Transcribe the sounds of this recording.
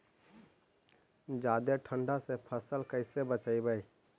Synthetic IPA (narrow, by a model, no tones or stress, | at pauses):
d͡ʒaːd̪eʈʰəɳɖasepʰəsəlkəɪsebət͡ʃaɪbəj